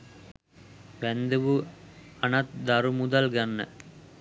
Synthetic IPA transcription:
ʋɛnd̪ɯʋuɐnɐt̪̚d̪ɐɾumud̪ɐlɡɐnːɐ̰

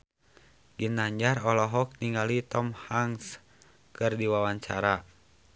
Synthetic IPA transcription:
ɡinaɲd͡ʒarɔlɔɦɔk̚niŋɡalit̪ɔmhaŋs | kɨrdiwawaɲt͡ʃaɾa

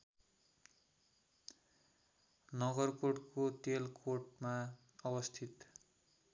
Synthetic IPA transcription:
nʌɡʌrkoʈkot̪elkoʈma | ʌbʌst̪ʰit̪

